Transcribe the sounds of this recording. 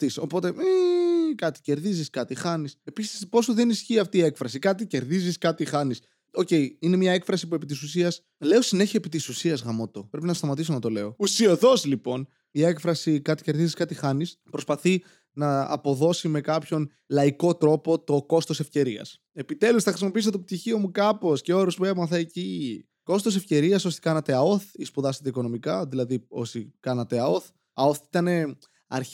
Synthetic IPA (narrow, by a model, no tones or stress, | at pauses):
t̪iso̞po̞t̪eikɐt̪i̥ce̞ɾðiziskɐt̪ixɐnise̞pisi̥spo̞suðe̞nisçiɐft̪iːe̞kfɾɐsikɐt̪̬ice̞ɾðiziskɐt̪ixɐnis | o̞ce̞iine̞mɲɐe̞kfɾɐsipue̞pit̪is̬usiɐs | le̞o̞sine̞çiepit̪isusiɐzɣɐmo̞t̪o̞pɾe̞pinɐtost̪ɐmɐt̪isonɐt̪o̞le̞o̞usioðo̞zlipo̞n | ie̞kfɾɐsikɐt̪i̥ce̞ɾðiziskɐt̪ixɐnispɾo̞spɐθi | nɐ̰ːpo̞ðo̞sime̞kɐpço̞n | lɐiko̞t̪ɾo̞po̞t̪o̞ko̞st̪o̞sefce̞ɾiɐ̰s | e̞pit̪e̞lusθɐxɾisimo̞piis̬ot̪op̚t̪içio̞mukɐpo̞sceo̞ɾuspue̞mɐθɐeci | ko̞st̪o̞sefce̞ɾiɐso̞si̥kɐnɐt̪e̞ɐoθispuðɐsit̪eiko̞no̞mikɐðilɐðio̞sikɐnɐt̪e̞ɐo̞θ | ɐo̞θit̪ɐne̞ | ɐ̰ɾ